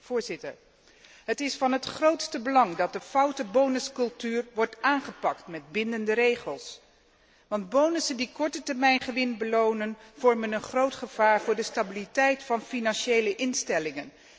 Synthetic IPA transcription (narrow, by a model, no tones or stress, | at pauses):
v̥ʊːɹzɪtə̰ɹ | ɦətɪsfɑnɦətχrowtstəbəlɑŋdɑt̚dəfɑwtəbownəskɵlˠtyːrʋɔɹtaːnχəpɑktmɛd̚bɪndəndəɾejχəlˠs | ʋɑndbownəsəndikɔɹtətɛɹmɛjnχəʋɪnbəlownənv̥ɔɹmənənχrowtχəv̥aːɹvʊːɹdəstabilitɛjtfɑnfinɑnʃejləʔɪnstɛlɪŋən